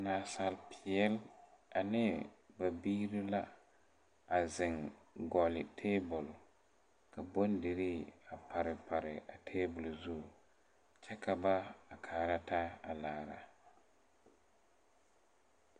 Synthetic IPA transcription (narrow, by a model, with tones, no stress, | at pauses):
naː˨sa˨lpʰɪ˨ɛ˦la˨nɪ˦ba˨biː˦ɾi˦la˦ | a˨zɪ˨ŋ | ɡɔ˨lɪ˨tʰeː˦bʊ˨l | ka˨bo˦ndɪ˨ɾi˦a˨pʰa˨ɾɪ˨pa˨ɾɪ˨a˨tʰeː˦bʊ˨lzu˦˨ | t͡ʃɛ˦kʰa˨ba˦a˨kʰaː˨ɾa˦ta˦a˨laː˨ɾa̰˨